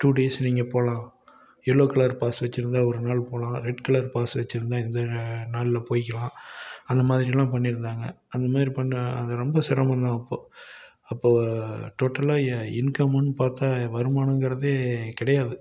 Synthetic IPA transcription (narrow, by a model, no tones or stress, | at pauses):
ʈuːɖeːsniːŋɡɐpoːlãː | ɛɭːoːkɐɭɐɾpaːsʋɐt͡ʃːɪɾɯnd̪aːɔɾɯnaːɭpoːlãːɾɛɖkɐlɐɾpaːsʋɐt͡ʃːɪɾɯnd̪ãːɪnd̪ɐnaːɭɪlɐpoːjɪkːɐlãːɐnd̪ɐmaːðɪɾɪjɛlːãːpɐɳːɪɾɯnd̪aːŋɡɐ̰ | ɐnd̪ɐmaːðɾipɐɳːɐ̰ðɐɾɔmbɐsɪɾɐmɐnd̪ãːɐpːoː | ɐpːoːʈoːʈːɐlaːɪnkɐmɐnːɯpaːɾt̪aːʋɐɾɯmaːnɐŋɡɪɾɐðeːkɪɽɐjaːðɯ